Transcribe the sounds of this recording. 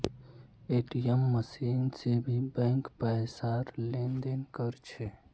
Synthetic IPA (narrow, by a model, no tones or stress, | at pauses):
eːʈiəmːəsiːnsebʱibɛ̃ŋkpəsaɾlend̪enkəɾt͡ʃʰe